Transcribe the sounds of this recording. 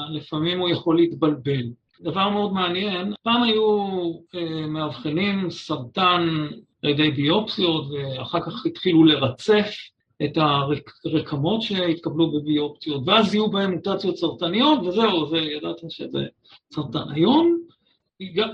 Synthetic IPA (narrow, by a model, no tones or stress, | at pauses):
lefamimujaχo̞leitbalbe̞l | d̪avaʁmeo̞dmeanje̞npaːmaju | emeavχenimsaʁtan | a̰lede̞jbio̞psio̞tve̞aχaʁkaχitχilule̞ʁat͡se̞f | e̞taʁeʁekʰamo̞tʃe̞hitkablubebio̞psio̞tveazijubahemːutat͡sjo̞tsaʁtanijo̞tveze̞uzejadat̪iʃḛzḛ | saʁta̰najo̞m | ɡa